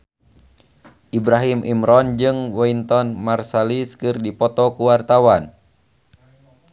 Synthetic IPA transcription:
ʔibɾaɦimʔḭmɾɔnd͡ʒɨŋwɔint̪ɔnmarsaliskɨrdipɔt̪ɔkuwart̪awan

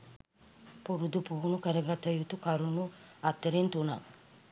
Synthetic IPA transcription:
puɾud̪upuːnukəɾɐɡat̪ɐjut̪ukɐɾunuɐt̪ːəɾint̪una̰

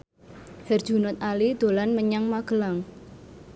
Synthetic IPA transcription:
hɛr̥ʒ̥ṳnɔt̪̚alid̪̥o̤lanməɲaŋmaɡ̥əlaŋ

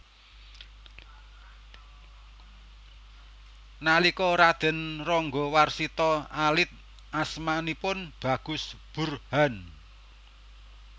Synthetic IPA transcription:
nalikɔɾad̪̥ə̤nrɔŋɡɔ̤warsit̪ɔalɪt̪̚ | ʔasmanipʊnb̥a̤ɡ̥ʊ̤sb̥ṳrhan

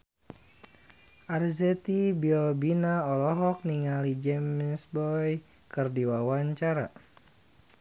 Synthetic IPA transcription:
ʔarzɛt̪ibiɔbinaɔlɔɦɔk̚niŋalid͡ʒɛmsbɔj | kərdiwawaɲt͡ʃaɾa̰

